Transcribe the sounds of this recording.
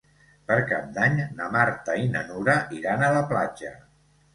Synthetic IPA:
pəɾkap̚d̪aɲnəmaɾt̪ainə̰nuɾəʔiɾanələplad͡ʒə̰

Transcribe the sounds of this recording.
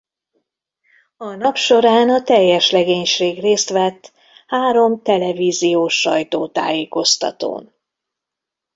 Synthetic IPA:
ɒnɒpʃo̞ɾaːnɒt̪ɛjːɛʃlɛɡeːɲʃeːɡreːst̪ʋɛt̪ː | haːɾo̞mt̪ɛlɛviːzijoːʃːɒjt̪oːt̪a̰ːjeːko̞st̪ɒ̰t̪o̰ːn

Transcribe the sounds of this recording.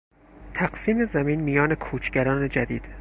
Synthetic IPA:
t̪ʰæɢ̥siːme̞zæmiːnmijɒːne̞kʰuːt͡ʃʰɟæɾɒːne̞d͡ʒæd̪iːd̪̥

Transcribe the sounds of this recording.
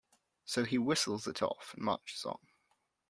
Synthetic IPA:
səʊiwɪsl̩ˠzɪtʰɔ̰fnmʌ̰t͡ʃsɔ̰̃ŋ

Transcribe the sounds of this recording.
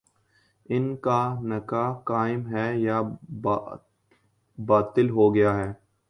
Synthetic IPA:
ɪnkanɐkaːkaːɪmɦɛja | baːt̪ɪlɦoːɡɐjaːɦɛː

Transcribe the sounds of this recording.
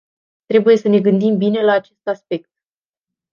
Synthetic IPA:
t̪ɾe̞buje̞səne̞ɡɨnd̪imbine̞laːt͡ʃe̞st̪aspe̞k̚t̪̚

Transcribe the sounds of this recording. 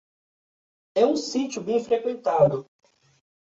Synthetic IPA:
ɛũsit͡ʃjʊbẽj̃fɾekwẽnt̪ad̪ʊ

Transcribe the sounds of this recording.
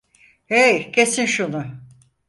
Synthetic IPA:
ejcʰe̞sinʃunʊ

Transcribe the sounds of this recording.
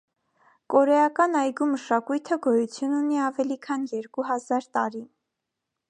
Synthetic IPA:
kɔɾɛjɑkɑnɑjɡuməʃɑkujt̪ʰəɡɔjut͡sʰjununiɑvɛlikʰɑnjɛɾkuɦɑzɑɾt̪ɑɾi

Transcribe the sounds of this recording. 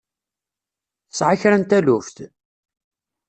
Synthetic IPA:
θəsʕaçɾænt̪ælʊft̪

